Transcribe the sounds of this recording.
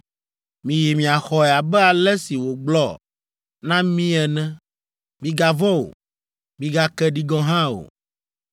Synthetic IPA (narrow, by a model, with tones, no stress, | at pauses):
mĩ˨ji˨mĩ˨a˨xɔ˨ɛ˨a˨bɛ˦a˨lɛ˦si˨wo˨ɡ͡blɔ˦ | nã˦mĩ˦ɛ˨nɛ̃˦ | mĩ˨˦ɡa˨vɔ˦o̰˨ | mĩ˦ɡa˦kɛ˦ɖi˦ɡɔ̃˦ɦã˦o̰˨